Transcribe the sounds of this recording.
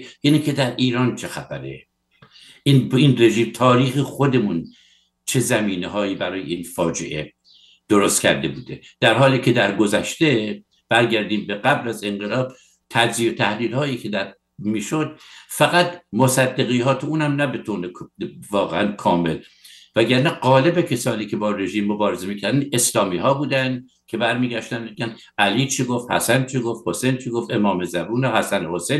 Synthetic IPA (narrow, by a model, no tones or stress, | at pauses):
jiːniːkʰed̪æɾʔiːɾɒːnt͡ʃʰexæbæɾe | ʔiniːnreʒiːmt̪ʰɒːɾiːxexod̪e̞muːn | t͡ʃʰe̞zæmiːneɦɒːjiːbæɾɒːjḛiːnfɒːd͡ʒḛʔe̞ | d̪̥oɾost̪kʲʰæɾd̪e̞buːd̪ed̪̥æɾhɒːliːcʰe̞d̪æɾɡo̞zæʃt̪e | b̥æɾɡæɾd̪iːmbeɢæblæze̞ŋɢelɒːb̥ | t̪ʰæd͡ʒziːot̪ʰæhliːlhɒːjiːkʰe̞d̪æɾ | miːʃod̪̚fæɣæt̪mosæd̪ːeɣiːhɒːt̪ʰeuːnhæmnæbed̪oːnevɒːɣeænkʰɒːme̞l | væɡæɾnæɢɒːle̞becʰesɒːniːcʰe̞bɒːre̞ʒiːmːobɒːɾezemiːcʰæɾd̪ænd̪eslɒːmiːhɒːbuːd̪ænd̪ | kʲʰe̞bæɾmiːɡæʃt̪ænmiɡʲæn | ʔæliːt͡ʃʰiɡoft̪hæ̰sænt͡ʃʰiɡofthosejnt͡ʃʰiɡofemɒːmezæbuːnehæsænhosejn